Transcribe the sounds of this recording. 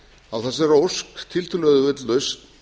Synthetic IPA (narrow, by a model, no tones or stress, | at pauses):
awθɛsɪɾowskt̪ʰɪlt̪ʰʏlœɣðʏvʏt̪lʏs